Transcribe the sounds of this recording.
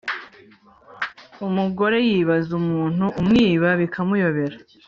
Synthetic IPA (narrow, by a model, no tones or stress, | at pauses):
umuɡo̞ɾe̞jiβazumuːn̥huʔːmŋiːβaβikʰamujo̞βe̞ɾa